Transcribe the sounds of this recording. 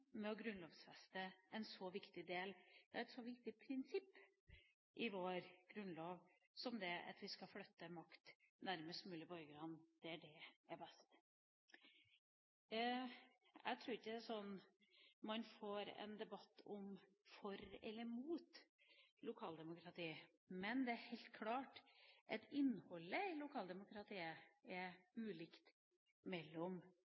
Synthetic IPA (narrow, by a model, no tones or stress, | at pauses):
mɛɔɡɾʉnloːʋsfɛst̪əɛnsɔʋɪkt̪ɪd̪eːld̪̥ɛæɾɛt̪sɔʋɪkt̪ɪpʰɾɪnsɪpː | ʔɪʋoːɾɡ̥ɾʉnloːʋ | sɔmd̪ɛʔɑ̰t̪ʋɪskɑflœt̪ːəmɑkt̪næɾməst̪mʉːlɪbɔɾɡəɾɑnd̪̥ɛæɖɛæbɛst̪ | æ̰ɪt̪ʰɾuːɾɪçːəd̪ɛæsɔnː | mɑnfoːɾɛ̰nd̪ɛbɑt̪ːɔm | fɔɾɛ̰lːəɾmuːt̪lʊkʰɑːld̪ɛmʊkʰɾɑt̪ʰiː | mɛnd̪ɛæɾhɛɪt̪̚kʰlɑːʈʔɛt̪ɪnːhɔlːəɪlʊkʰɑːld̪ɛmʊkɾɑt̪ʰiːəɛɾʉːlɪkt̪ | mɛlːɔm